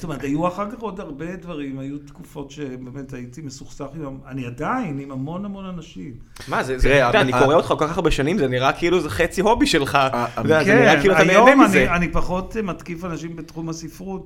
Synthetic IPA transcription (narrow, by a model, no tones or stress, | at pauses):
st̪omeʁtajuaχakaχo̞daʁbedvaʁimajutkufo̞tʃebeme̞taitimesuχsaχimaaniadainimamo̞nhamo̞nanaʃim | mazezed̪anikoʁeot̪χakokaʁbeʃanimzeniʁakeiluzeχet͡siɦo̞biʃelχaodeazkeniʁailuat̪ameoemazeanipaχo̞tmatkifanaʃimbetχumhasifʁut